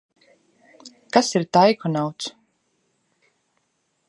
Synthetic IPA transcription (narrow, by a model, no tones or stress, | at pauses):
kasiɾt̪ajkɔnawt̪s